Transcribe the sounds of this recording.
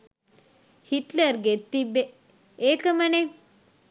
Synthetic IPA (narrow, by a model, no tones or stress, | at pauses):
hiʈləɾɡet̪ːibe | eːkəmɐne